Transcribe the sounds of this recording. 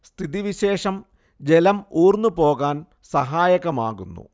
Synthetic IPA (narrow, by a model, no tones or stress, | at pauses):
st̪ʰiðiʋiɕe̞ːʂɐm | d͡ʑelɐmuːrnːupo̞ːɣaːn | sɐɦaːjɐɣɐma̰ːɣunːṵ